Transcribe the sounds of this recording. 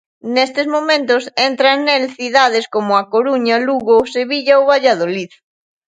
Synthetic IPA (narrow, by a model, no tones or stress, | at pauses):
nest̪ezmõmẽnt̪osent̪ɾanelθiðað̞eskomoakoɾuɲaluɣoseβiʎaoβaʎaðoliθ